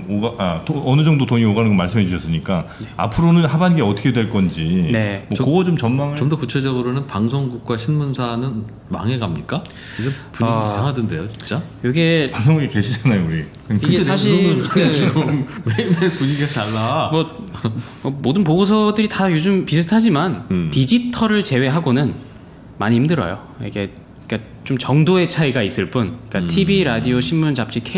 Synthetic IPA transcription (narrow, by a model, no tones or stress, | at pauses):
oɡaʔatoʌnɯd͡ʑʌŋdotoɲioɡanɯnɡʌmaɭs̬͈ɯmɦed͡ʑuɕʰʌs͈ɯɲik͈aa̰pʰɯɾonɯnɦabanɡeʌtʰʌkʰedweɭk͈ʌnd͡ʑinemwʌkoɡʌt͡ɕomt͡ɕʌnmaŋt͡ɕʌmdʌkut͡ɕʰed͡ʑʌɡɯɾonɯnpaŋsʰoŋɡuk̚k͈waɕʰinmunsʰanɯn | ma̰ŋɦe̞ɡamɲik͈a | iɡɯpuiɡsʰaŋɦadɯnde̞jot͡ɕint͡ɕ͈ajʌɡepaŋs̬ʰoŋɡuɡike̞ɕʰid͡ʑanajouɾikɯiɡesʰaɕ̬ʰiiɡɯmmeinepuɲiɡiat͡ɕaɭːamʌ | ʌmodɯnp̬oɡos̬ʰʌdɯɾitajod͡ʑɯmpisʰɯtʰad͡ʑimantid͡ʑitʰʌɾɯɭt͡ɕe̞we̞ɦaɡonɯn | maɲiimdɯɾʌ̰jo̰ | ḭkʰe̞ | ik͈a | t͡ɕomt͡ɕʌŋdoe̞t͡ɕʰaiɡais͈ɯɭp͈unik͈atʰibiɾadioɕʰinːunt͡ɕap̚t͡ɕ͈ikʰe